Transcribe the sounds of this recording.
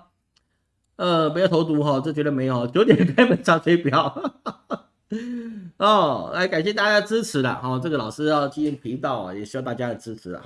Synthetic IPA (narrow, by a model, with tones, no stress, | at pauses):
ə˥˧me˧˥ɪo˨˩o˧˥ʊt̪u˧˥xɔ˥˧ʈ͡ʂɤ˥˩˨t͡ɕɥɛ˧˥d̪ə˧me˧˥ɪjt͡ɕjo˧˥ʊt̪jɛ˨˩n˧kʰa˥ɪmə˨˩˦nʂa˥˩fe˥ɪpjɑ˥˩˦ʊ | ɔ˥˩a̰˧˥˩ɪka˨˩nɕ̬jɛ˥˧t̪a˥˧t͡ɕja˥ə˧ʈ͡ʂɻ̩˥ʈ͡ʂʰɻ̩˧˥lə̰˧xɑ˥˧ʊʈ͡ʂɤ˥˩ɡə˩lɑ˨˩ʊʂɻ̩˥jɑ˥˧ʊt͡ɕi˥˧˩i˥˩npʰi˧˥ŋt̪ɑ˥˩ʊɐ̰˩jɛ˨˩ɕy˥jɑ˥˧ʊt̪a˥˩t͡ɕja˥d̪ə˨˩ʈ͡ʂɻ̩˥ʈ͡ʂʰɻ̩˧˥lə̰˩˧